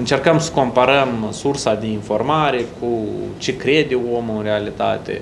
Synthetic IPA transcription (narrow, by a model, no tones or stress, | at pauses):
ɨnt͡ʃe̞rkəmsə̥ko̞mpaɾəmsursad̪e̞info̞rmaɾe̞kʰut͡ʃe̞kɾe̞d̪eo̞mɨnrealit̪a̰t̪e̞̰